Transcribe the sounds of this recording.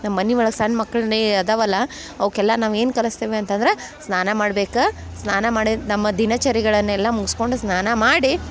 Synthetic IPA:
nɐmːɐnːiʋɐɭɐksɐnːmɐkːɐɭɐneɐd̪ɐʋɐlːɐ | ɐʋkɛlːɐnaːʋe̞ːnkɐlɐst̪eːʋeɐnt̪ɐnd̪ɐɾe | snaːnɐmaːɽbe̞ːkɐsnaːnɐmaːɽinɐmːɐd̪inɐt͡ʃɐɾiɡɐɭɐnːuɛlːɐmuɡisko̞ɳɖusnaːnɐmaːɽi

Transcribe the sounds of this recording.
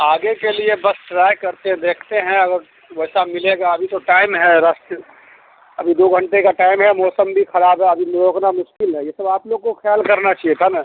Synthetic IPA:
aːɡekeliebəsʈɾaːjkɐɾt̪eɦɛ̃d̪eːkʰt̪eɦɛ̃ɐɡəɾ | ʋɛːsamɪleɡaɐbʱit̪oʈaːɪmɦɛɾəs | ɐbʱid̪oɡʱə̃ɳʈekaʈaːɪmɦɛmɔːsəmbʱixʰɐɾaːbɦɛɐbʱimɾoːknamʊʃkɪlɦɛjesəbaːploːɡ̚kokʰjaːlkəɾnat͡ʃaɦiet̪ʰana

